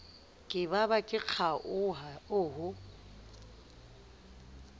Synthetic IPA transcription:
kʼɪbabakʼɪk͡xʰaʔʊɦaʊːɦʊ

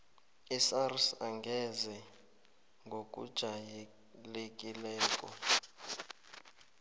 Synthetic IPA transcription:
isarsaŋɡʱɛzɛ | ŋɡʱokʼṵd̥ʒ̥ʱaj | lekʼilɛːkʼɔ̰

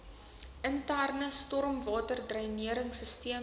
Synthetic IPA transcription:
əntærnəstɔrmvɑːtərdrœjniəɾəŋsəstiə

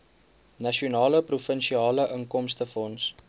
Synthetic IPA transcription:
nɐʃiunɑːləprufənʃiɑːləʔəŋkɔmstəfɔns

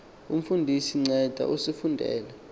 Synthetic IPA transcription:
um̩fundʱisiŋ͡ǀɛd̥ʱa̰ʔusifundʱɛ̰ːlɛ

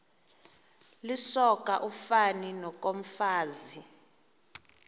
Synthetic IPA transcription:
lisɔk̬ʼa̰ʔufaninɔk̬ʼom̩faːzi

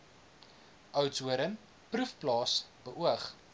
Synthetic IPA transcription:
ʔœwtsuəɾən | prufplɑːsb̥əʔuəχ

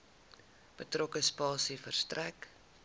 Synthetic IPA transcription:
b̥ətrɔkəspɑːsifərstræk

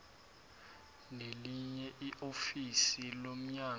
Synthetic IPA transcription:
neliɲɛʔiʔofisilom̩ɲa

